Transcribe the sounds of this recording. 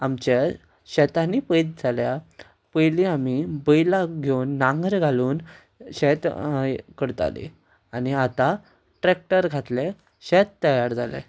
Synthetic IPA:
amt͡ɕa | ɕɛt̪anipəjt̪̚d͡zʱalja | pəjliamibəjlaɡʱewnːaŋɡəɾɡʱaluːn | ɕɛt̪kəɽt̪a̰lḛ | aniat̪a | ʈɾek̚ʈəɾɡʱat̪le | ɕɛt̪ːəjaɾd͡zʱalḛ

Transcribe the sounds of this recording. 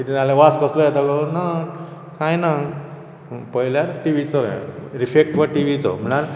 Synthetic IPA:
kit̪ĩalẽʋaskəslɔjɛt̪əɡɔna | kãjna | pəɦiljaɾʈiʋit͡sɔɾ̰ɾifek̚ʈʋaʈiʋit͡sɔ̰m̤əɽ̃aɾ

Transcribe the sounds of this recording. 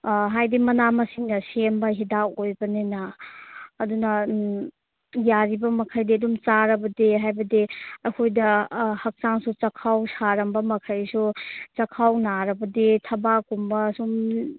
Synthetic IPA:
ɦajdimɐnamɐsiŋnɐsembɐɦidaojbɐnenɐː | dunɐ | jaɾibɐmɐkʰɐjdiɐdumt͡ʃaɾɐbɐdeɦajbɐdeɐjkʰojdɐhɐk̚t͡ʃaŋsut͡ʃɐkʰawsaɾɐmbɐmɐkʰɐjsut͡ʃɐkʰawnaɾɐbɐdetʰɐbakumbɐsum

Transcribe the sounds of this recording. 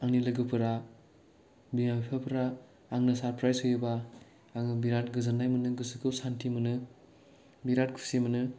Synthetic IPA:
aŋnilɯɡɯpʰɯɾa | binabipʰapʰɯɾaː | ŋnɯsaɾpɾajsɔjɯbaː | ŋɯbiɾat̚ɡɯzɯnːajmɯnɯɡɯsɯkʰɯwsantʰimɯnɯ | biɾat̚kʰu̥simɐnɯ

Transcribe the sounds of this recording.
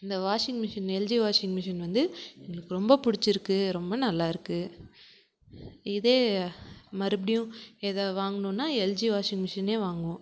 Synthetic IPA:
ɪnd̪ɐʋaːʂɪŋɡmɪʂɐnɛld͡ʒiːʋaːʂɪŋɡmɪʂɐnʋɐnd̪ɯɛŋɡɐɭɯkːɯɾɔmbɐpʊɽɪt͡ʃːɪɾɯkːɯɾɔmbɐnɐlːaːɪɾɯkːɯ | ɪðeː | mɐɾɯbɪɽɪjʊ̃ɛðɐʋaːŋɡɐnʊ̃ːnːaːɛld͡ʒiːʋaːʂɪŋɡmɪʂɐneːʋaːŋɡʊ̃ː

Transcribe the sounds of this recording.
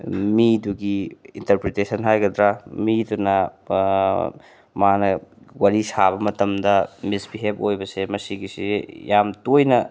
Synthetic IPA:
miduɡiḭntɐɾpɾetesɐnɦajɡɐdɾamidunɐ | manɐ | waɾisaβɐmɐtɐmdɐmisbiɦepojbɐsemɐsiɡisijamtojnɐ

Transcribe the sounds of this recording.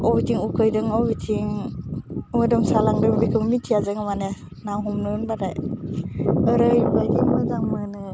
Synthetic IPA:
ɔbitʰiŋukʰɯjdɯŋɔbitʰiŋ | mɯdɯŋsalaŋdɯmbikʰɯmmitʰijazɯŋamane | nawɦɔmnɯnbadaj | ɯɾɯjubajdiŋmɯzaŋmɯnɯ

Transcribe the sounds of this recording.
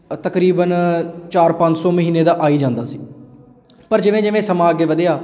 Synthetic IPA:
t̪əkɾiːbənt͡ʃaːɾpə̃ɲd͡ʒsɔːməɦiːneːd̪aːʔaːiːd͡ʒãːnd̪aːsiː | pəɾd͡ʒɪʋẽːd͡ʒɪʋẽːsəmãːəɡeːʋəd̪jaː

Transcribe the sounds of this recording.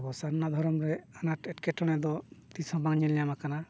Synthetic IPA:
bɔsaɾnːad̪ʱɔɾɔmɾɛanaʈɛʈkɛʈɔɽ̃ɛd̪ɔt̪isɔ̃baŋɲɛljamakana

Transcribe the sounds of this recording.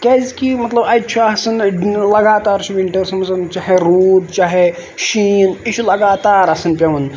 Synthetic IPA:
kɐzkimɐt̪lɐbɐt͡ʃʰaɐsɨnlɐɡaːt̪aːɾt͡ʃʰiʋiɳʈɐɾsɐmɐzɐnt͡ʃaːɦeɾuːd̪t͡ʃaːɦe | ʃiːnit͡ʃʰulɐɡaːt̪aːɾɐsɨnpʲɐʋɐn

